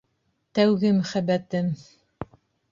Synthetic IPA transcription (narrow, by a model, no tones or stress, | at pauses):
t̪æwɡɘmæχæbæt̪ɘm